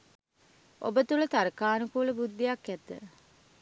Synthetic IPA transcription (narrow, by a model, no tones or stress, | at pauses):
ʔo̰bət̪ulət̪aɾəkaːnukuːləbud̪ːijakːɛt̪ə̰